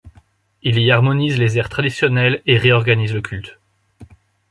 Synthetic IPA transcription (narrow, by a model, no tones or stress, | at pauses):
iliaʁmɔnizlezɛʁt̪χad̪isjɔnɛleʁeɔʁɡanizləkʲylt̪